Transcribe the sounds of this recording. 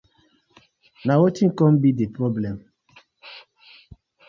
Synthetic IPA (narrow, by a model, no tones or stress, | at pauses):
nawɔtĩnkɔ̃mbidepɾɔblɛ̃m